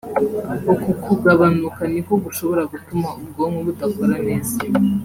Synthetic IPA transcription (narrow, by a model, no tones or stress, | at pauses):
okukʰuɡaβanukanikoɡuʃo̞βo̞ɾaɡutumaub̚ɡomŋeβutakoɾane̞ːza